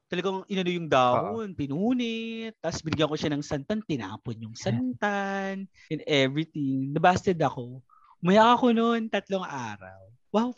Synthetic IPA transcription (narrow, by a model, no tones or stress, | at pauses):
t̪ɐlɐɡaŋʔɪnɐnojʊŋd̪aːʔonpɪnuːnɪt̪ːasbɪnɪɡjɐŋko̞ʃanɐŋsɐnt̪ɐnt̪ɪna̰ːponjʊŋsɐnt̪an | ʔɛ̃nd̪ʔɛvɹit̪ɪŋd̪ɛbast̪ɛd̪ɐko̞ | mɐjakɐkonont̪ɐt̪lo̞ŋʔa̰ːɾɐ̰w | waw